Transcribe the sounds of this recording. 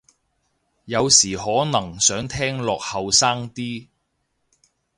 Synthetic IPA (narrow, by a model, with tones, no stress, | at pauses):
jɐ˨˧wsiː˨˩ɦɔː˨˥nɐ˨˩ŋsœː˨˥ŋt̪ʰɛː˥ŋlɔː˨k̚hɐ˨˧wsaː˥ŋt̪iː˥